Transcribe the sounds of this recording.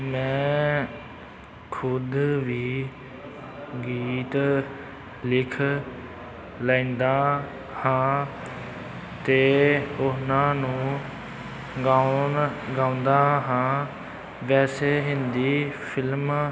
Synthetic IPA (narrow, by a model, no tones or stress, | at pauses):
mɛ̃ː | kʰʊd̪ʋiː | ɡiːt̪ | lɪkʰ | laĩːnd̪aː | hãː | t̪eːʊnãːnũː | ɡaːʊnɡãːʊ̃nd̪aːɦãː | ʋɛːseːɦɪnd̪iːpʰɪlm